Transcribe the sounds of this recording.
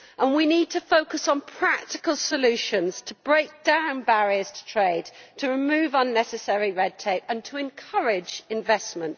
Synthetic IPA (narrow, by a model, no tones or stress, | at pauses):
ʔə̃nwiniːd̚tʰəfoʊkəsn̩pʰɹ̥ak̚tɪkəlˠsəlʉˑʃə̃nz̥tʰəbɹeɪk̚d̥ãʊ̃nbaɹiəz̥tʰə̥tʰɹ̥eɪd̚tʰəɹɪmʉːvʌ̃nːɛsɨsɛɹiɹɛd̚tʰeɪpə̃ntʰəɪ̃nkʰʌɹɪd͡ʒɪ̃ɱvɛsmə̃nt